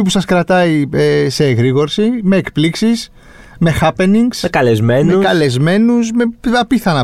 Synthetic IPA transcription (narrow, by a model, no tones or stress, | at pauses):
ip̬usɐskɾɐt̪ɐiese̞ːɣɾiɣo̞ɾsime̞ːkpliksis | me̞xɐpe̞niŋɡsekɐlezme̞mneukɐle̞zme̞nusme̞ɐpiθɐnɐ